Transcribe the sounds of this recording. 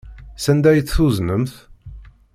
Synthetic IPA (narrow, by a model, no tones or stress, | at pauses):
sænd̪æjθθuznəmθ